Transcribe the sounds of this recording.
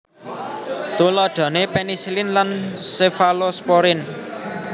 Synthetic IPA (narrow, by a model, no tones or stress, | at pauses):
t̪ulɔɖ̪̥ɔ̤nepenisilɪnlansefalospɔɾɪn